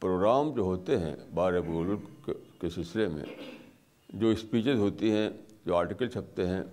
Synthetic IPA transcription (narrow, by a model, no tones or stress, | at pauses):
pɾoːɡɾaːmd͡ʒoːɦoːt̪eɦɛ̰̃baːɾebɡoːlʊɾkesɪslemḛ̃ | d͡ʒoːɪspiːt͡ʃəzɦoːt̪iɦɛ̃d͡ʒoːaːɾʈikəlt͡ʃʰɐp̚t̪eɦɛ̃